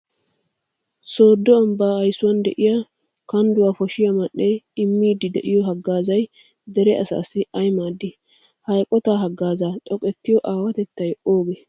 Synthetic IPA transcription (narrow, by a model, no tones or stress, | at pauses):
so̞ːd̪ːɔɐmbaːhɐjsʊwɐnd̪ɛʔɪja | kɐnd̪ʊwaːfɔʃɪjɐmɐʔːejɪmːiːd̪ːɪd̪ɛʔɪjɔɦɐɡːaːzɐj | d̪ɛɾɛɐ̰sa̰ːsɪɐjmaːd̪ːɪ | hɐjkʼɔt̪aːɦɐɡːaːzaːt̪ʼɔkʼɛt̪ːɪjɔʔaːwɐt̪ɛt̪ːɐjɛʔo̞ːɡe